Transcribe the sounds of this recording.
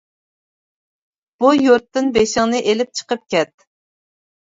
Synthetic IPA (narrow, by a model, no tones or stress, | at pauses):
b̥ujuɾt̪ːɪnbeʃɪŋnɨʔelɪp̚t͡ʃʰə̥qəp̚kʲɛt̪̚